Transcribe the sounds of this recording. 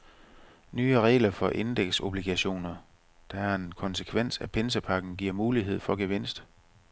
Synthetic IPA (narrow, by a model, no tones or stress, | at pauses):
nyːəʁɛ̰ːɪlɐfɒ̽ʔe̝nd̥eɡ̥so̝b̥liɡ̥æɕo̝̰ːnɐ | d̥ɑ̈æɐe̝nkʰɒ̽nsəkʰʋen̰sæpʰe̝ns̬əpʰɑ̈ɡ̥n̩ɡ̥iɐ̰muːliɦe̝ð̞̰ˠfɒ̽ɡ̥eʋe̝n̰sd̥